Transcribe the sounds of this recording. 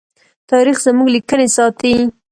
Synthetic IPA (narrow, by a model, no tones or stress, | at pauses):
t̪ɑɾixzəmuɡlikənesɑt̪i